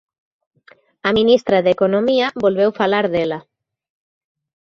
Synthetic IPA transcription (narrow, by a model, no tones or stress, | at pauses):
ɐmĩnist̪ɾaðekonomiɐbolβewfalaɾðelɐ